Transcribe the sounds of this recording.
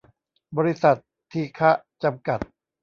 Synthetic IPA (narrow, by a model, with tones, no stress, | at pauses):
bɔː˧ɾi˦˥sa˨˩t̪̚ʰːiː˧kʰa˦˥ʔ | t͡ɕa˧mka˨˩t̪̚